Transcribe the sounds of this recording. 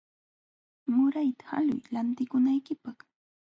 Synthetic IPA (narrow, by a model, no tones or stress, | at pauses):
mʊɾajt̪ḁxa̰lʊ̰jlant̪ɪkʊnajkɪpɑχ